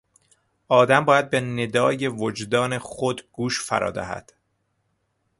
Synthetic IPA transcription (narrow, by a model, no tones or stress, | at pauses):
ʔɒːd̪æmbɒːjæd̪̚bened̪ɒːje̞vod͡ʒd̪ɒːne̞xod̪ɡ̥uːʃfæ̰ɾɒ̰ːd̪æ̰hæ̰d̪̥